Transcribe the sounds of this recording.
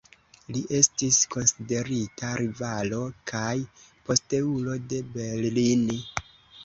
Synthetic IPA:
liʔe̞stisko̞nside̞ɾitaɾʔivalo̞kʰajpo̞ste̞ulo̞de̞be̞llini

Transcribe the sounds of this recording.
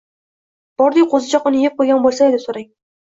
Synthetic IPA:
b̥ɒɾd̪ɪqʰozɪt͡ʃʰɒqʊnɪjep̚qʰojɡʲanbolˠsaed̪ɪsoɾaŋ

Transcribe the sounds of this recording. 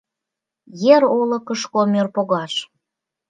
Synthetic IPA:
jeɾolɤ̆kəʃkomørpoɣɑʃ

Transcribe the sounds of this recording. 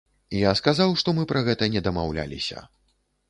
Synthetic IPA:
ijaskazawʂt̪ɔmɨpɾɐɣɛt̪ɐnʲɛd̪ɐmawlʲa̰lʲḭsʲɐ̰

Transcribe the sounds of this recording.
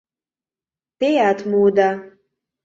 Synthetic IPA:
tejatʰmuwda

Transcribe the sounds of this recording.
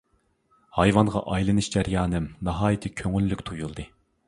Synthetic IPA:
hɑjvɑnʁɑ̰ʔɑjlˠɨnɨʃd͡ʒæɾjɑːnɨmnɑɦɑːjɨt̪ʰɪkʲʰøŋylːykʲt̪ʰujulˠd̪ɨ

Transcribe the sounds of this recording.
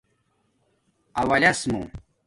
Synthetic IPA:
ɐwɐlʲɐsmṵ̃

